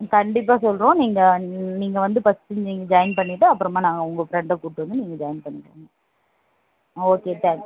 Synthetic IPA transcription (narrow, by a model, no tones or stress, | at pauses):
kɐɳɖɪp̬ːaːsɔlɾõːniːŋɡɐniːŋɡɐʋɐnd̪ɯpɐstːɪɲniːŋɡɐd͡ʒɐjɪnpɐɳːɪʈːɯɐpːɯɾɐmaːnaːŋɡɐʊŋɡɐfɾɛɳɖɐkuːʈːɯʋɐnd̪ɯniːŋɡɐd͡ʒɐːjɪnpɐɳːɪʈːuːŋɡɐ | oːkeːt̪ɛ̃ːŋk